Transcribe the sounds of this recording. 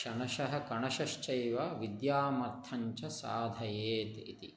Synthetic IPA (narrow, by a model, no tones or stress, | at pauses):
ʃɐnɐʃɐɦɐ̆kɐɳɐʃɐʃt͡ʃɐjʋɐʋid̪jaːmɐɾt̪ʰɐɲt͡ʃɐsaːd̪ʱɐjeːt̪ḭt̪ḭ